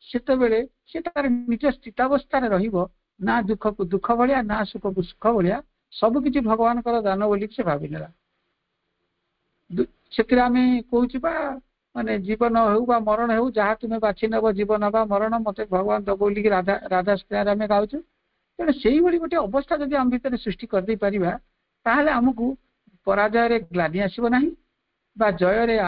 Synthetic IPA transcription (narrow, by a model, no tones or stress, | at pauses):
set̪ebeɭe | set̪aɾenid͡ʒɔst̪ʰit̪abɔst̪ʰaɾeɾɔɦibɔ | nad̪ukʰɔkud̪ukʰːɔbʱɔɭianasukʰɔkusu̥kʰɔbɔɭia | sɔbuk̬it͡ʃʰibʱɔɡɔbanɔkɔɾɔd̪anɔbolikisebʱabinela | d̪u | set̪iɾeamekoɦut͡ʃʰiba | maned͡ʒibɔnɔɦewbamɔɾɔɽ̃ɔɦewd͡ʒaɦat̪umebat͡ʃʰinɔbɔd͡ʒibɔnɔbamɔɾɔɽ̃ɔmot̪ebʱɔɡɔband̪ɔɡowlikiɾad̪ʱaɾad̪ʱaskiaɾameɡawt͡ʃʰu | kaɽ̃eseɦiboɭikoʈiɔbɔst̪ʰad͡ʒɔd̪iambʱit̪ɔɾesɾusʈikɔɾid̪ejpaɾiba | t̪aɦeleamɔk̬u | pɔɾad͡ʒajɔɾeɡlaniasibɔnaɦĩ | bad͡ʒɔjɔɾe